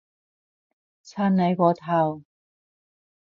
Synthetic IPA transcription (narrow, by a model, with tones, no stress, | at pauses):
t͡sʰaː˧˥nne˨˥jkɔː˨˥t̪ʰa˨˩w